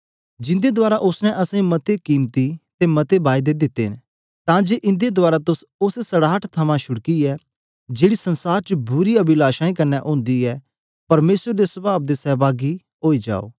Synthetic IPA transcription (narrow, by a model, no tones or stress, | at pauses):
d͡ʒɪ̃nd̪ed̪ʊaːɾaʔʊsnɛ̃ʔɐsãĩmɐt̪ekiːmt̪it̪emɐt̪ebaːjd̪ed̪ɪt̪ːḛɦn | t̪ãːd͡ʒeːʔɪ̃nd̪ed̪ʊaːɾat̪ʊsʊssɐɽaːʈʰt̪ʰɐmãʃʊɽkiɛː | d͡ʒeːɽisɐ̃nsaːɾt͡ʃəbʊɾiɐbilaːʃaːĩkɐɾnːɛʔõːnd̪iɛː | pɐɾmeːsəɾd̪esɐbaːb̚d̪esɛːbaːɡi | ɦoːid͡ʒa̰ːo̰ː